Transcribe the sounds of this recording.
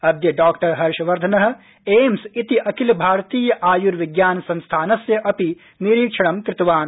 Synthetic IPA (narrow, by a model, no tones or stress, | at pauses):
ɐd̪jɐɖaːkʈɐɾɦɐɾʃʋɐɾd̪ʱɐnɐɦ̆ | eːmsit̪iʔɐkɪlbʱaːɾt̪iːjɐʔaːjuɾʋɪɡjaːnsɐ̃nst̪ʰaːnɐsjɐʔɐpi | niɾiːkʃɐɽ̃ɐmkɾɪt̪ʋaːn